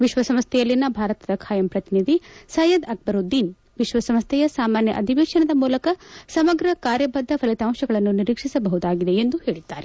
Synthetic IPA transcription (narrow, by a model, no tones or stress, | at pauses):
ʋiʃʋɐsɐmst̪ʰɛjɐlːinːɐbʱaːɾɐt̪ɐd̪ɐkʰaːjɐmpɾɐt̪inid̪ʱisɐjɐd̪ɐk̚bɐɾud̪ːiːn | ʋiʃʋɐsɐmst̪ʰɛjɐsaːmaːnjɐ̰ʔɐd̪ʱiʋeːʂɐɳɐd̪ɐmuːlɐkɐsɐmɐɡɾɐkaːɾjɐbɐd̪ʱːɐpʰɐlit̪aːmʃɐɡɐɭɐnːuniɾiːkʂisɐbɐɦud̪aːɡid̪eend̪uheːɭid̪ːaːɾe